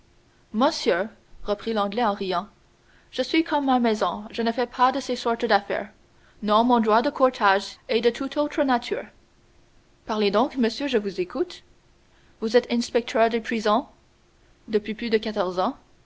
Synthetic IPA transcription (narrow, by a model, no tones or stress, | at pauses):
mɔ̃sjø | ʁəpχilɑ̃ɡlɛɑ̃ʁijɑ̃ | ʒ̥əsɥikʰɔmːamɛzɔ̃ʒənəfɛpʰad̪əsesɔʁt̪d̪afɛ̰ʁ | nɔ̃mɔ̃d̪ʁwad̪əkʰɔʁt̪ʰaʒɛd̪ət̪ʰut̪ʰot̪χənat̪ʰy̰ːʁ | paʁled̪ɔ̃kməsjøʒəvuzekut̪ | vuzɛt̪ɛ̃nspɛk̚t̪ʰœʁd̪epχizɔ̃ | d̪əpɥiplyd̪əkat̪ɔʁzɑ̃